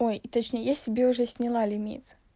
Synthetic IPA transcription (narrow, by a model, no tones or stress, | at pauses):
ojit̪ɐt͡ɕnʲejəjasʲɪbʲeʊʐɛsʲnʲɪlˠalʲɪmʲḭt̪s